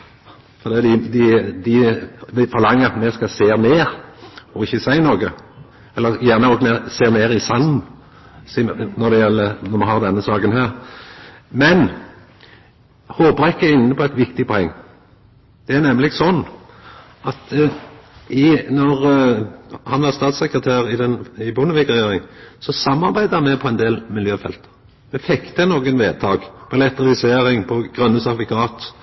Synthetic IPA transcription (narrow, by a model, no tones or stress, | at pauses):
fɔd̪ɛːd̪ɪd̪ɪd̪ɪʋɪfɔɾlɑŋːəɾɑt̪mɛskɑseːmeːɾɔɪçːəsæɪnoːɡə | ɛlːəʁjæʁnəɔːɡmɛseːmeːɾɪsɑnːn | snɔʁd̪ɛjɛlːənɔmɛɦɑʁd̪ɛnːəsɑːɡənɦæːʁ | mɛn | hoːbʁɛkːəɪnːəpʰɔæɪt̪ʋɪkt̪ɪpʰɔɛŋː | d̪̥ɛæʁnɛmːlɪɡsɔnː | ɑt̪ | ɪnɔʁ | hɑnʋɑʁst̪ɑːt̪sɛkɾət̪ʰæːʁɪd̪ɛnɪbʊnəʋɪkʁɛjeːɾɪŋsɔsɑmːɑʁbæɪd̪əhɑnmɛpʰɔɛnd̪eːlmɪljøːfɛ̰lt̪ə̥ | mɛfɛkt̪ənoːɡənʋeːd̪̚t̪ʰɑːɡpʰɔlɛt̪ːəlɪseːʁɪŋpʰɔɡ̥ʁœnːəsɑt̪ʋɪkʰɑːt̪